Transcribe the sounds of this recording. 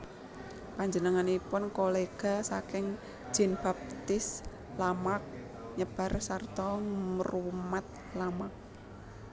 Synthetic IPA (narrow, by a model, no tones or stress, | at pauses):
paɲd͡ʒənəŋanipʊnkoleɡ̥a̤sakɪŋ̥ | ʒ̥i̤nb̥a̤p̚t̪ɪs | lamak̚ | ɲəb̥a̤rsart̪ɔməɾumat̪̚ | lamak̚